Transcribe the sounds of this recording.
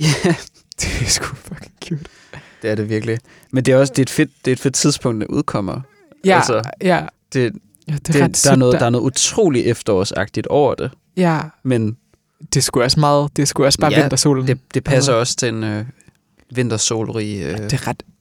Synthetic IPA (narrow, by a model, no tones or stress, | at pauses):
jæ | d̥esɡ̥ufɔɡ̥eŋkʰjud̥ | d̥e̝æɐɾe̝ʋiɐɡ̥əli | mend̥e̝æɒ̽sd̥e̝ed̥fe̝d̥d̥e̝ed̥fe̝d̥̚t͡sʰið̞ˠsb̥ɔ̽ŋ̰d̥neʔṵðˠkʰɒ̽m̰ɐ | ʔælsɐæd̥e̝ | d̥e̥e̥d̥ɑ̈æɐnɔ̽ːðdɑ̈æɐnɔ̽ð̩ˠut͡sʰʁo̝̰ːliʔefd̥ɐɒ̰ːsɑ̈ɡ̥̚d̥id̥ɒʊɐd̥e̝ | jæmen | d̥e̝sɡ̥uɒsmɑ̈ːð̩ˠd̥e̝sɡ̥uɒsb̥ɑ̈æend̥ɐso̝̰ːln̩d̥e̝d̥e̝pʰæsɐɒ̽st͡sʰenø | ʋe̝n̰d̥ɐso̝̰ːlʁḭːø̥eʁɑd̥